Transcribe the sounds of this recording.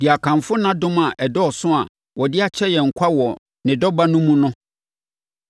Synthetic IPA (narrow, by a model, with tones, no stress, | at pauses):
d̥ɪ˨a˨kʰã˨mfʊ˦nã˦dʊ̃˦ma˨ʔɛ˨dɔ˦ɔ˨sʊ̃˦a̰˨ | wɔ˨dɪ˦a˨t͡ɕʰɛ˦jɛ˨ŋ̩˨kʷʰa˦wɔ˨ | nɪ̃˨dɔ˦ba˦nʊ̃˦mũ˦nʊ̃˦